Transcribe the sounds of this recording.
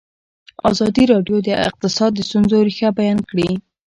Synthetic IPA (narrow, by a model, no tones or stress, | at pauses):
ɑ̰zɑd̪iɾɑɖjod̪əɪ̰q̚t̪ɪsɑd̪ːəst̪unzoɾixabajɑnkɽi